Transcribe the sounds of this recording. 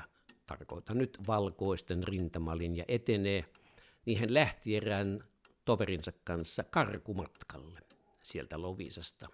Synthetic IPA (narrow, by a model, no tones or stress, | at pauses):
t̪ɑ̰rko̰ˑet̪ɑnnyt̪ʋɑlkoˑist̪enrint̪ɑmɑlinjɑ̰ʔet̪eneː | niːhenlæht̪ierˑæːn | t̪oʋerinsɑkkɑnsːɑkɑrkumɑt̪kɑlːe | sielt̪æloʋḭsɑst̪ɑ